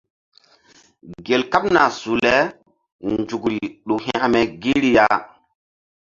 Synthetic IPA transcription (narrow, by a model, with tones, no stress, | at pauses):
ɡe˨lka˦pna˨su˨le˦ | nd͡ʒu˨kɾi˨ɗu˨ɦɛ̰̃˦a˨me˨ɡi˦ɾi˨ja˦